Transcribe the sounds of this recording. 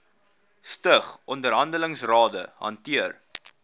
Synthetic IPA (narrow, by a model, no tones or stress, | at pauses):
stəχʔɔndəɾɦɐndələŋsrɑːdəɦɐ̰ntiər